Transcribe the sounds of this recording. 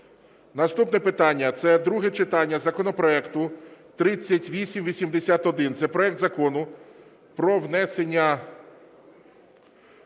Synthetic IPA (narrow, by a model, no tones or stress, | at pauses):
nɐst̪upnɛpɪt̪ɑnʲːɐt̪sɛd̪ɾuɦɛt͡ʃɪt̪ɑnʲːɐzɐkɔnɔpɾɔɛkt̪ʊt̪ɾɪt͡sʲːɐtʲʋʲisʲimʋʲisʲimd̪esʲat̪ɔd̪ɪnt̪sɛpɾɔɛk̚d̪zɐkɔnʊ | pɾɔwnɛsenʲːɐ